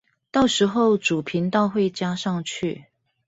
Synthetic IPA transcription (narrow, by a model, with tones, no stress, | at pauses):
t̪ɑ˥˩ʊʂɻ̩˨˧˥xo˥˩ʊʈ͡ʂu˨˩pʰi˨˥nt̪ɑ˥˧ʊxwe˥˨ɪt͡ɕja˥ʂɑ˥˧ŋt͡ɕʰy˥˨